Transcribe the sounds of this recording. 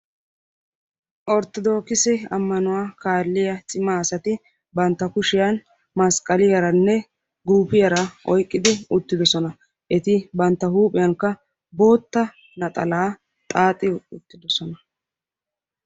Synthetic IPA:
ʔɔɾt̪ːɔd̪o̞ːkɪsɛɐmːɐnʊwaːkaːlːɪjɐt͡sʼɪmaːsɐt̪ɪ | bɐnt̪ːɐkʊʃɪjɐn | mɐskʼɐlɪjɐɾɐnːɛ | ɡuːpɪjɐɾɐʔɔjkʼːɪd̪ɪʊt̪ːɪd̪ɔsɔnɐ | ʔɛt̪ɪbɐnt̪ːɐhuːpʼɪjɐŋkːɐ | bo̞ːt̪ːɐ | nɐt̪ʼɐlaː | t̪ʼaːt̪ʼɪʊt̪ːɪd̪ɔsɔnɐ

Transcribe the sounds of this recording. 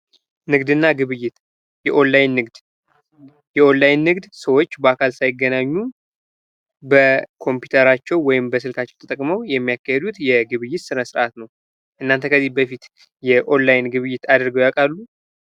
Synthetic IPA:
nɨɡd̪ɨnːaɡɨβɨjːɪt̪ | jɛʔo̞nlajnːɨɡd̪ | jɛʔo̞nlajnːɨɡd̪səwo̞t͡ʃːbəakʰalsajɪɡːənaɲːu | bəkʰo̞mpjut̪ʰəɾat͡ʃːɛwwɔjɪmbəsɨlkʰat͡ʃːɛwt̪ʰət̪ʼəkʼməwjɛmːijakːahɛd̪ut̪jɛɡɨβɨjːɪt̪sɨnəsɨɾʔat̪nəw | ʔɨnːant̪ʰəkʰəzːibəfit̪ | jɛʔo̞nlajnɡɨβɨjːɪt̪ad̪ɨɾɡəwjakʼalːu

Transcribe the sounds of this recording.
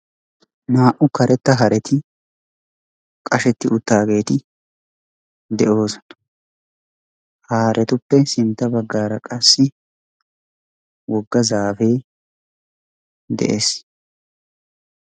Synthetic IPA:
naːʔʊkɐɾɛt̪ːɐɦɐɾɛt̪ʰɪ | kʼɐʃɛt̪ːɪʊt̪ːaːɡe̞ːt̪ɪ | d̪ɛʔo̞ːs | haːɾʔɛt̪ʊpːɛsɪnt̪ːɐbɐɡːaːɾɐkʼɐsːɪ | wɔɡːɐzaːfe̞ː | d̪ɛ̰ʔḛːs

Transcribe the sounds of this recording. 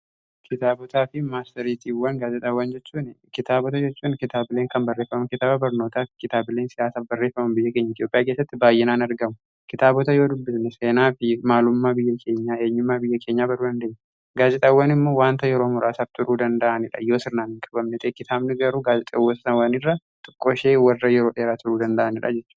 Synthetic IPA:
kʰɪt̪aːbɔt̪aːfɪmaːst̪ɪɾiːt̪ʰiːwːɐnɡaːd͡ʒɛt̪ʼɐwːɐnd͡ʒɛt͡ʃːuːnkɪt̪aːbɔt̪ɐd͡ʒɛt͡ʃːuːnkɪt̪aːbɪleːŋkɐmbɐrːeːfːɐmɐkɪt̪aːbɐbɐɾno̞ːt̪aːfɪ̥kɪt̪aːbɪle̞ːnsɪjaːsaːfbɐrːeːfɐmɐmbɪjːɐke̞ːɲːɐɪt̪jo̞ːpʼːɪjaːk̬e̞ːsːɐt̪ːɪbaːjːɛnaːnɐɾɡɐmʊ | kɪt̪aːbɔt̪ɐjo̞ːd̪ʊbːɪsnɛseːnaːfɪmaːlʊmːaːbɪjːɐkʰeːɲːaːe̞ːɲːʊmːaːbɪjːɐkʰe̞ːɲːaːbɐɾuːd̪ɐnd̪ɐːɲ | ɡaːzɪt̪ʼɐwːɐnɪmːo̞ːwaːnt̪ɐjɛɾo̞ːmʊɾaːsaft̪ʊɾuːd̪ɐnd̪ɐʔɐnɪᶑɐ̰jo̞ːsɪɾnaːnɪŋkʼɐ̥bɐmnɛt̪ʰʼeːkɪt̪ʰaːbnɪɡɐɾuːɡaːzɪt̪ʼɐwɐsɐ̥sɐnwɐnɪrːɐ | t̪ʼʊ̥kʼːoːʃeːwɐrːɐjɛɾo̞ːɗeːɾaːt̪ʊɾuːd̪ɐnd̪ɐʔɐnɪᶑɐ̰d͡ʒɛt͡ʃːuː

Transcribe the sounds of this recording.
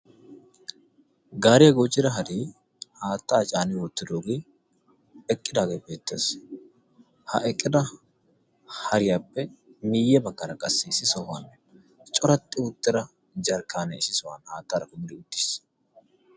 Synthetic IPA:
ɡaːɾɪjɐɡot͡ʃːɪɾɐɦɐd̪iː | haːt̪ːaːt͡ʃʼaːnɪwɔt̪ːɪd̪oːɡeː | ɛkʼːɪd̪aːɡeːbeːt̪ːḛːs | hɐ̰ʔɛkʼːɪd̪ɐ | hɐɾɪjaːpːɛmiːjːɛbɐkːɐɾɐkʼɐsːisɪsɔhan | t͡ʃʼɔɾɐt̪ːɪʊt̪ːɪɾɐ | d͡ʒɐɾkːaːnɛɪsɪsɔwɐ̰nhaːt̪ːɐːɾɐkʊmɪd̪ɪʊt̪ːɪ̥s

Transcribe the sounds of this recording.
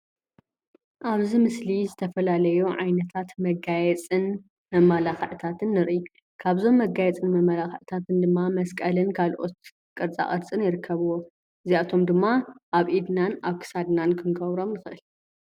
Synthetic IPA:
ʔaβzimɨslizɨt̪ʰɐfɐlalɐjuʕajnɐt̪ʰat̪mɐɡajɛt͡sʼɨn | mɐmːalaxɨʕt̪ʰat̪ʰɨnːɨɾʔi | kʰaβzo̞mːɐɡajɛt͡sʼɨnmɐmːalaxʕt̪ʰat̪ʰɨnd̪ɨmːamɐskʼɐlɨnkʰalʔo̞̰t̪ | kʼɨɾt͡sʼa̰χʼɐɾt͡sʼɨnjɪɾɨkʰːɐβuwo | ʔɨziat̪ʰo̞md̪ɨmːaʔaβʔid̪nanaβkʰɨ̥sad̪nankʰɨnɡɐβɾo̞mnɨxɨʔɨl

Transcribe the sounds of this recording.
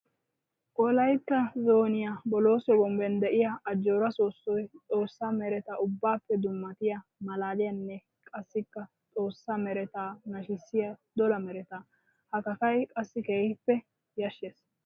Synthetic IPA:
kʼɔlɐjt̪ːɐzo̞ːnɪjabɔlo̞ːsɔɡɔmbɛnd̪ɛʔɪjɐɐd͡ʒːoːɾɐso̞ːsːɔjt͡sʼo̞ːsːamɛɾɛt̪aʔʊbːaːpːɛd̪ʊmːɐt̪ɪjɐmɐlaːlɪjɐnːɛ | kʼɐsːɪkːɐ | t͡sʼo̞ːsːɐmɛɾɛt̪aːnɐʃɪsːɪjɐd̪ɔlɐmɛɾɛt̪aː | hɐkɐkɐjkʼɐsːɪkeːhɪpːɛ | jɐʃːeːs

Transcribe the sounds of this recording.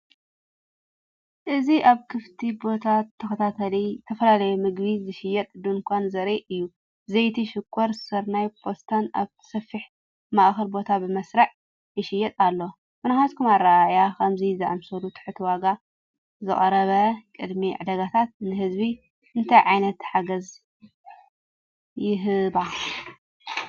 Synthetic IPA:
ʔɨziʔaβkʰɨft̪ʰibo̞t̪ʰat̪ʰːɐkɐt̪ʰat̪ʰɐlit̪ʰɐfɐlalɐjumɨɡbizɨʃɪjɛt̪ʼd̪unkʷʰanzɐɾeʔɨjːu | zɐjt̪ʰiʃɪkʰːɔɾsɨɾnajpʰo̞st̪ʰana̰βtʰɨ̥sɐfːiħ | maʔxɐɾbo̞t̪ʰabɨmɐsɾɐʕ | jɪʃɪjːɛt̪ʼalːo | mɨnaxaskʰumarːajakʰɐmzizɨʔa̰msɐɾut̪ʰɨ̥ħɨt̪ʰiwaɡa | zɨχʼɐɾɐβɐkʼɨd̪miʕad̪ɐɡat̪ʰat̪̚nɨhɨzbi | ʔɨnt̪ʰajʕajnɐt̪ħaɡɐz | jɪɦɨba

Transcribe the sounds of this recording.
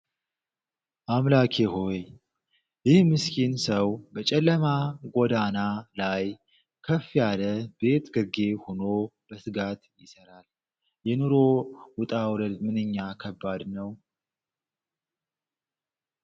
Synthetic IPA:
ʔamlakʰehowe | jɪhmɨskʰinsəwbət͡ʃʼɛlːəmaɡʷɔd̪analaj | kʰəfːjaləbe̞t̪ɡɨɾɡe̞hono̞b̥əsɨɡat̪jɪsəɾal | jɛnuɾo̞wʊt̪ʼawləd̪mɨnɨɲːakʰəbːad̪nəw

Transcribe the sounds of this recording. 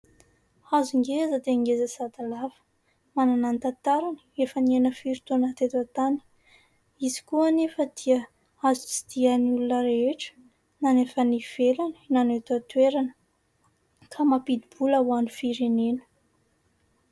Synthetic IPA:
azuŋɡezəd̪eaŋɡezəsat̪alavə̥ | mananant̪at̪aɾaniefənienəfiɾit̪onət̪et̪at̪ani̥ | izi̥kuanefəd̪̥iə | azut͡si̥d̪̥ianulunəɾeeʈ͡ʂə̥ | nanefəniv̥elaninanet̪at̪weɾanə̥ | kʰamapid̪ibulawanifiɾenenə̥

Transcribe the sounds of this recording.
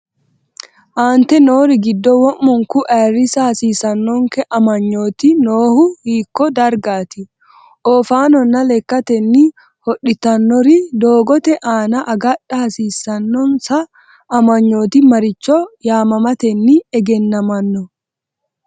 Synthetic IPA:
ʔaːnt̪ɛnoːɾɪɡɪd̪ːɔwɔmːʊŋkʊʔɛːrːɪsɐhɐsiːsɐnːɔŋkɛʔɐmɐɲːoːt̪inoːhʊhiːkːɔd̪ɐɾɡaːt̪ɪ | ʔɔːfaːnɔnːɐlɛkːɐt̪ɛnːi | hɔɗɪt̪ɐnːɔɾid̪oːɡɔt̪ɛʔaːnɐʔɐɡɐᶑɐhɐsiːsɐnːɔnsɐː | mɐɲːo̞ːt̪ɪmɐɾɪt͡ʃːɔjaːmɐmɐt̪ɛnːiɛɡɛnːɐmɐnːɔ

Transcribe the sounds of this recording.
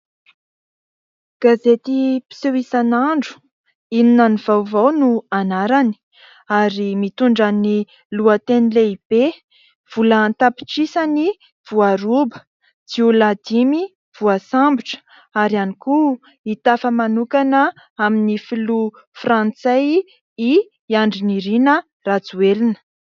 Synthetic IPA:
ɡ̥azet̪ipi̥sewisanaɳɖ͡ʐu̥ | ininanivawvawnuanaɾani̥ | aɾimit̪uɳɖ͡ʐani | luat̪enileib̥e | v̥ulant̪api̥ʈ͡ʂisani | v̥uaɾubə̥ | d͡z̥iulad̪imi | v̥uasambiʈ͡ʂə̥ | aɾianiku | it̪afəmanukanə | aminifilu | frãnt͡saj | i | aɳɖ͡ʐiniɾinə | rat͡suelinə̥

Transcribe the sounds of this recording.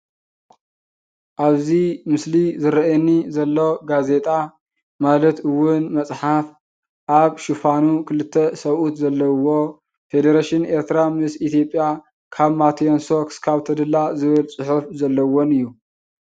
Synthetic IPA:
ʔaβzimɨslizɨɾɐʔɛnːizɐlːo̞ɡaze̞t̪ʼa | malɐt̪ɨwːʊnmɐt͡sʼħaf | ʔaβʃufanukʰɨlɨt̪ʰːɐsɐβʔut̪zɐlːɐwo̞ | fe̞d̪eɾaʃɪne̞ɾt̪ʰɨɾamɨsit̪ʰijo̞pʼja | kʰaβmat̪ʰionsokskʰaβt̪ʰɐd̪ɨlːazɨβɨlsʼʊħufzɐlːɐwonɨjːu

